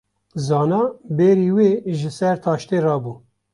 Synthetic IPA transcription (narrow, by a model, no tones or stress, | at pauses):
zɑːnɑːbeːɾiːweːʒɪsɛɾt̪ʰɑːʃt̪eːrɑːbuː